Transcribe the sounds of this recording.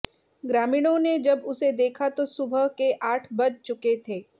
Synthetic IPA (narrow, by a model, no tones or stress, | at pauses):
ɡɾaːmiːɽ̃õned͡ʒɐbʊsed̪eːkʰat̪osʊbʱəɦkeʔaːʈʰbɐd͡ʒt͡ʃʊket̪ʰeː